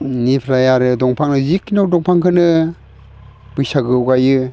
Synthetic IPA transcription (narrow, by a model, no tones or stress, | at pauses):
nipʰɾajaɾɯdɔŋpʰaŋnɯzikːinawdɔŋpʰaŋkʰɯnɯ | b̥ɯjsaɡɯwɡajɯ